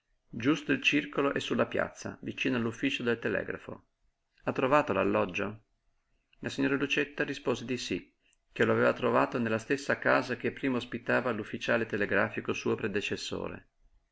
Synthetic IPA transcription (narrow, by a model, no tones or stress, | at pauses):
d͡ʒust̪oilt͡ʃirkoloʔɛsːulːapja̰t̪sːa̰vit͡ʃiːnoalːufːiːt͡ʃod̪elt̪elɛ̰ːɡɾa̰fo̰ | at̪ːɾovaːt̪olalːɔd͡ʒːo | lasiɲːoːɾalut͡ʃet̪ːaɾispoːzed̪isi | k̟eloaveːvat̪ɾovaːt̪onelːast̪esːakaːzak̟epːɾiːmaospit̪aːvalufːit͡ʃaːlet̪eleɡɾaːfikosuːopɾed̪et͡ʃesːo̰ːɾḛ